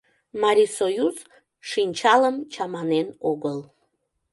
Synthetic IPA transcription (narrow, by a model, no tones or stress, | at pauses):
mɑɾʲisojuz | ʃinʲt͡ɕɑləmt͡ɕɑmɑnenoɣəl